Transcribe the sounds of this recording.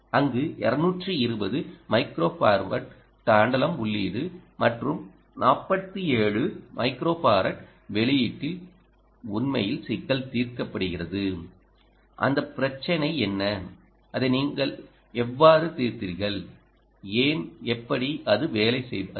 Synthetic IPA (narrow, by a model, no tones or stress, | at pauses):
ɐŋɡɯʔɛ̰ɾɐnuːʈrɯɪɾɯbɐðɯmɐɪkɾoːpaːɾʋɐ̰ʈ | taːɳɖɐlɐmʊɭːiːðɯmɐʈrɯm | naːpːɐt̪ːɯeːɭɯmɐɪkɾoːpaːɾɐʈ | ʋɛɭɪjɪʈːɪl | ʊnmɐ̰jɪlsɪkːɐlt̪iːɾkɐpːɐɽɯɣɪrɐðɯ | ʔɐ̰nd̪ɐpɪɾɐt͡ʃːɐnɐɪɛnːɐ | ɐðɯniːŋɡɐɭ | ɛʋːaːɾɯt̪iːɾt̪ɪɾɣɐɭ | eːnɛpːɐɽiɐðɯʋeːlɐɪsɛ̰j